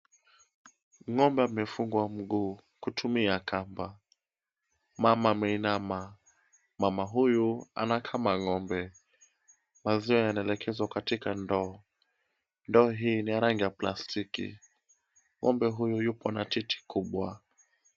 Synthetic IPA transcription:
ŋɔmbɛamɛfuŋɡwam̩ɡuː | kutʰumiakamba | mamamɛinama | mamaɦujua̰nakʰamaŋɔmbɛ | maziɔjanaɛlɛkʰɛzwakatikandɔː | ndɔːɦiːniaɾaŋɡijaplastikḭ | ŋɔ̰mbɛɦujujupʰɔnatitʰi̥kʰuɓwa

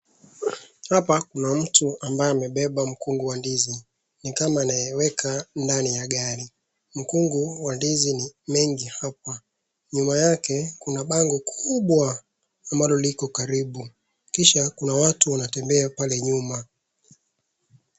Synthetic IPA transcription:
hapakunam̩tuambajɛamɛɓɛɓam̩kuŋɡuwandizi | nikamaːnajɛwɛkʰandanijaɠaɾi | m̩kuŋɡuwandizinimɛŋɡihapa | ɲumajakɛkunaɓaŋɡɔkʰuɓwaː | mbalɔlikɔkaɾiɓu | kiʃakunawatuwanatɛmbɛapalɛɲuma

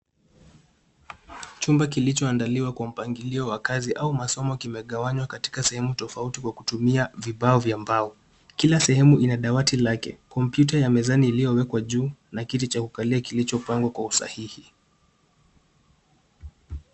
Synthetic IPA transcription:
t͡ʃumbak̬ilit͡ʃɔandaliwakwam̩paŋɡiliɔwakaziʔaumasɔmɔkimɛɠawaɲwakati̥kasɛhɛmutɔfautikwakutumiaviɓaɔvjambaɔ | kilasɛhɛmuʔinaɗawatilakɛ̰kɔmpjutajamɛzaniːlijɔwɛkwaʄuːnakitit͡ʃakukaliakilit͡ʃɔpaŋɡwakwausa̰hihi

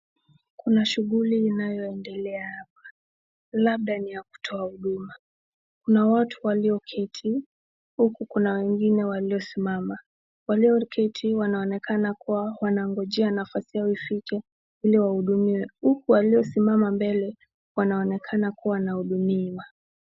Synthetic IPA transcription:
kunaʃuɣuliːnajɔɛndɛlɛahap̚ḁ | laɓ̚ɗanijaku̥tʰɔahuɗuma | kunawatʰuwaliɔkʰɛtʰi | hukukunawɛŋɡinɛwaliɔsimama | waliɔkʰɛtʰiwanaɔnɛkanakuwawanaŋɡɔʄɛanafasijaifikɛ | iliwahuɗumiwɛhukuwaliɔsimamambɛlɛ | wanaɔnɛkʰanakuwaanahuɗumiwa

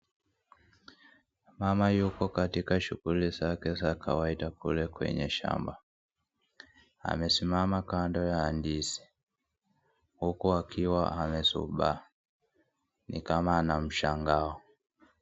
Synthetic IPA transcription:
mamajukɔkatikaʃuɣulizakɛsakʰawaidakulɛkwɛ̰ɲɛ̰ʃa̰mba | a̰mɛsimamakandɔjaːndisi̥ | hukuakʰiwaamɛsṵɓa | nḭkamaːnam̩ʃaŋɡaɔ

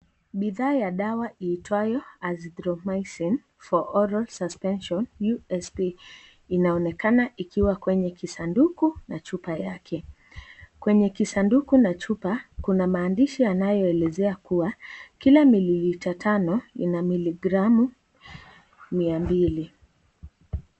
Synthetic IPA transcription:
ɓiðaːjaɗawaʔiːtwajɔazdɾɔmajsin | fɔʔɔɾalsaspɛnʃɔnjuɛspi | inaɔnɛkanaʔikʰiwakwɛɲɛkisandukunat͡ʃupajakʰɛ | kwɛɲɛkisandukunat͡ʃupakunamaːndiʃijanajɔɛlɛzɛakuakilamiliitatʰanɔḭnamiliɡɾamu | miambili

